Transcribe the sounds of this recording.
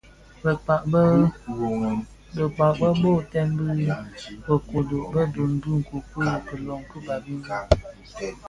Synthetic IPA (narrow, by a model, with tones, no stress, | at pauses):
bə˨k͡pa˨ʔ | bə˨k͡pa˨ʔbə˦bo˦˨tɛ˦mbɨ˦bə˨ko˨do˨ʔbə˦do˨n̩˨˦du˦ŋ̩˨ku˨kə˦˨kə˨lɔ˨ŋkɨ˦ba˨bi˦n˦